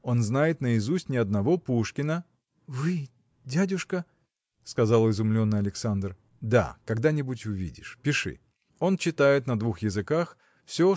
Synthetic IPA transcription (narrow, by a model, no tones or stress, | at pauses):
o̞nznajɪt̪nəɪzusʲtʲnʲɪɐd̪nɐvo̞puʂkʲɪnə | vɨ | dʲædʲʊʂkə | skɐzalˠɪzʊmlʲo̞nːɨɐlʲɪksand̪r | d̪a̰kɐɡd̪anʲɪbʊtʲʊvʲḭdʲɪ̰ʂpʲɪʂɨ̰ | o̞nt͡ɕɪt̪ajɪt̪nəd̪vuxjɪzɨkax | fsʲo